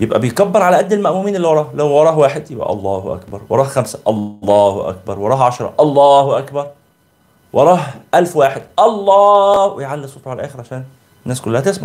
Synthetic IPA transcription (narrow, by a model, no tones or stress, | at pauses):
jebʔæ̰bejkæbːɑɾˤʕalæʔæd̪ːelmæʔmuːmiːnelːiwɑɾˤɑːhlæwwɑɾˤɑːhwaːħed̪jebʔæ̰ʔɑ̰lˤːɑːhʔæ̰kbɑ̰ɾˤwɑ̰ɾˤɑːhxæmsæ̥ʔɑlːɑːhʔæ̰k̚bɑɾˤwɑɾˤɑːhʕaʃɾˤɑ̰ʔɑlˤːɑːhʔækbɑɾˤ | wʔɑɾˤɑːɦʔælfwaːħed̪ʔɑlˤːɑːwejʕalːisˤot̪ˤɑʕalʔæːxeɾʕaʃæːn | nːæːskʊlːæhæt̪esma̰ʕ